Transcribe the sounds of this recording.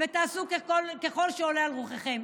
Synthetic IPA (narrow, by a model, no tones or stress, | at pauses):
vet̪aːsukeolkeχo̞lʃeolealʁuχeχem